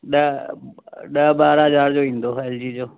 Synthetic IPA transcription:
ɗə | ɗəɓaːɾɦɐzaːɾd͡ʑoːʋĩːn̆d̪oːɛːld͡ʑiːd͡ʑoː

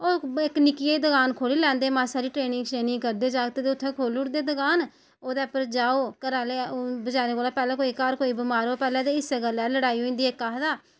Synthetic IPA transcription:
oːɪknɪkiːed̪əɡaːnkʰoːliːlɛ̃ːnd̪eːmãːsaːɾiːʈɾeːnɪ̃ŋɡsɾeːnɪ̃ːɡkəɾd̪eːd͡ʒaːɡt̪eːd̪eːʊt̪ʰːẽːkʰoːlʊʈd̪eːd̪əɡaːn | oːd̪eːpəɾd͡ʒaːoːkəɾaːleːbəd͡ʒaːɾeːkoːlaːpɛːlɛ̃ːkoːikaːɾkoːiːbɪmaːɾoːpɛːlɛ̃ːd̪eːɪseɡəlɛːləɽaːioːĩːnd̪iːekːaːɦd̪aː

